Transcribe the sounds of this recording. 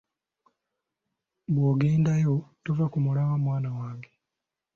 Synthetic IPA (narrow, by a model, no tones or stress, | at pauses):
bwoːɡe̞ːndajotuvakumulawamwaːnawaːŋɡe